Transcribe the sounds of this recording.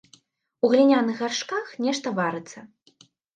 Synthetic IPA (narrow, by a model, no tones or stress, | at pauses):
uɣlʲinʲanɨxarʂkaxnʲɛʂt̪ɐvaɾɨt̪sɐ